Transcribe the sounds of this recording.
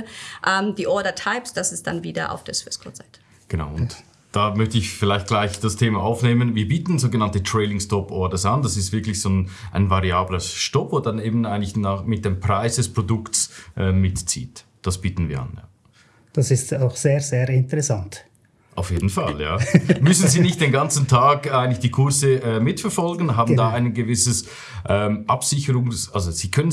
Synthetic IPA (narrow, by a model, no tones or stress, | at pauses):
ʔɛmd̥iːʔɔɐdɐtʰaɪpsd̥asɛsd̥a̰nviːdɐʔa̰ʊfd̥eːɐsv̥ɪskʰɔ̰z̥aɪtʰə̥ | ɡ̥əna̰ʊʊn | d̥aːmœçtəɪçfɪlaɪçt̚ɡ̥laɪçd̥astʰeːmaʔaʊfneːmənviːɐbiːtn̩zoːɡənantətʁ̥ɛɪlɪŋstɔpɔɐdɐsand̥asɪstvɪɐklɪçz̥oːnʔa̰ɪnvaʁiaːbləʃtɔpvoːd̥aneːbn̩aɪɡnlɪçnaːχmɪt̚d̥empʁ̥aɪsd̥ɛspʁ̥odʊktsʔɛːɪtt͡sḭːt | d̥asb̥iːtn̩vḭːɐa̰nja̰ː | d̥asɪstaʊxz̥eːɾzeːɾɪntəʁɛsant | ʔaʊfjeːdn̩falja̰ːmʏsn̩ziːnɪçt̚d̥eːnɡant͡sn̩tʰaːkaɪɡəntlɪçd̥iːkʰʊɐzəɛːmɪtfɛɐfɔlɡənɦaːbn̩daːaɪnənɡəvɪsəs | ʔɛːmʔapsɪçəʁʊŋsalzoz̥iːkʰœnən